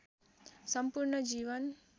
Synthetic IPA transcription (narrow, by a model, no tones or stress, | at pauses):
sʌmpuɾɳʌd͡ʒiʋʌn